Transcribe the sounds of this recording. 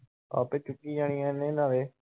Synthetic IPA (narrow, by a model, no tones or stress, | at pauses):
a̰ːpeːt͡ʃʊʈːiːd͡ʒaːɽ̃ĩaːenẽːnaːʋeː